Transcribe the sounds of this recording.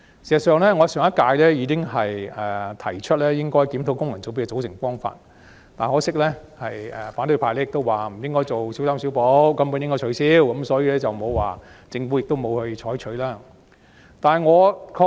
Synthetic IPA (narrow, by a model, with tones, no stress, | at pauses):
siː˨˩sɐ˨˩sœː˨˧ŋlɛː˥ŋɔː˨˧sœː˨˩ŋɐ˥t̚kaː˧jlɛː˥jiː˨˧kɪ˥ŋɦɐ˨jɛː˨˩t̪ʰɐ˨˩jt͡ʃʰɵ˥t̚lɛː˥jɪ˥ŋkɔː˥jkiː˨˥mt̪ʰwkʊ˥ŋjɐ˨˩nt͡so˨˥pi˧kɛ˧t͡so˨˥wsʰɪ˨˩ŋfɔː˥ŋfa̰ː˧t̚ | t̪aː˨˩nhɔː˨˥sɪ˥k̚lɛ˥hɐ˨jɛː˨˩faː˨˥nt̪ɵ˧pʰaː˨˩lɛː˥˩ɪ˨k̚t̪o˥waː˨m̩˨˩jɪ˥ŋkɔː˥jt͡so˨wsi˨˥wsaː˥msi˨˥wpo˨˥wkɐ˥mpu˧˥njɪ˥ŋkɔː˥jt͡ʃʰɵ˨˧˥ɥsiː˥wkɐ˨˥msɔː˨˥jiː˧lɛ˥t͡sɐ˨wmo˨˧wːaː˨t͡sɪ˧ŋfu˨˥jɪ˨k̚t̪o˥wmo˨˧whɵ˧ɥt͡ʃʰɔː˨˥jt͡ʃʰɵ˨˧˥ɥlaː˥ | t̪aː˨˩nɐ˨jŋɔː˨˧kʰɔː˧